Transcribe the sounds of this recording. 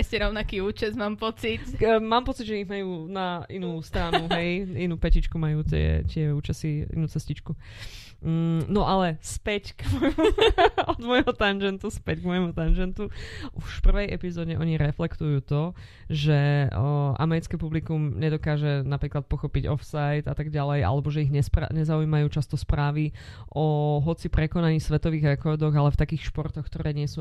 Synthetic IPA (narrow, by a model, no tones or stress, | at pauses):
ɛscɛɾɔʊnakiːuːt͡ʃɛzmaːmpɔt͡sit̪maːmpɔt͡sidʒɛiɦmajuːnainuːst̪ɾaːnuɦɛjinuːpɛcit͡ʃkumajuːt̪ɪɛ̰t̪ɪɛuːt͡ʃasiḭnuːt͡sɛscit͡ʃku | nɔʔalɛspɛcɡmɔjmuɔd̪mɔjɦɔt̪and͡ʒɛnt̪uspɛɟɡmɔjɛmut̪and͡ʒɛnt̪uʔuʃpr̩ʋɛjʔɛpizɔːɟɛʔɔɲiɾɛflɛkt̪ujuːt̪ɔ | ʒɛ | ʔa̰mɛɾit͡skɛpublikumɲɛd̪ɔkaːʒɛnapɾiːklat̪̚pɔxɔpiɟɔfsajd̪at̪aɡɟalɛja̰lɛbɔʒɛiɣɲɛspɾa̰ɲɛzaujmajuːt͡ʃast̪ɔspɾaːʋiʔɔɦɔt͡sipɾɛkɔnaɲiːsʋɛt̪ɔʋiːɣɛkɔːd̪ɔɣalɛft̪akiːxʃpɔɾt̪ɔxk̚t̪ɔɾɛːɲɪɛsuː